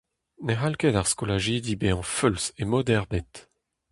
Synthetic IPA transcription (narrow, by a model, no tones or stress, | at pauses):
neʁalkɛd̪aʁskolaʒed̪ibeɑ̃fylsemɔd̪ɛʁbɛt̪